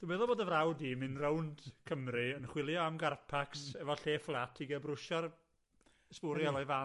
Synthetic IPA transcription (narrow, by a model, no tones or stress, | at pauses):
d̥ubɛːðɔboːdəvrawdimɨnrəwnd̥kʰəmrɨənχwɪlˠjɔamɡarpʰaksɛvɔɬeːflˠatʰiɡəbrʊʃar | spʊɾjalɔjva